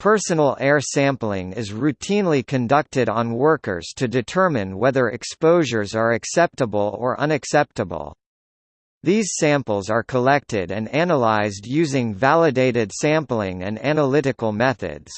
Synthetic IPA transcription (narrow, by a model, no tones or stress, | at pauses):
pʰɜ˞sənl̩ˠɛɹsæ̃mplɪ̃ŋɪzɹʉtʰĩnlikʰɨ̃ndʌk̚tɨɾn̩wɜ˞kə̰˞z̥tʰɨdɨtʰɜ˞mɨ̃nwɛðə˞ʔɨ̰kspoʊʒə˞zə˞ɨksɛp̚təbl̩ˠə̰˞ʔʌ̃nɨksɛp̚təbə̰l̩ˠ | ðiz̥sæ̃mpl̩ˠzə˞kʰəlɛk̚tɪɾɨ̃nænəlaɪzdjʉzɪ̃ŋvælˠɨdeɪɾɨd̥sæ̃mplɪ̃ŋɨ̰̃næ̃nəlɪɾɨkl̩ˠmɛθɨ̰dz̥